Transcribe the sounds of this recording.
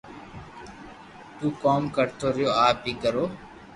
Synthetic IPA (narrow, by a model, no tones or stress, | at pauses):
t̪uːkoːmkəɾt̪ʰoːɾɪjoːaːpiːkəɾoː